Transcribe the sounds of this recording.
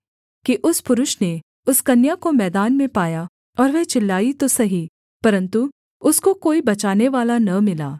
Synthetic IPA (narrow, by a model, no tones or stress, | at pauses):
kiʔʊspʊɾʊʃne | ʊskɐnjakomɛːd̪aːnmẽpaːja | ɔːɾʋɛt͡ʃɪlːaːit̪osɐɦi | pɐɾə̃nt̪u | ʊskokoːibɐt͡ʃaːneʋaːlanɐmɪlaː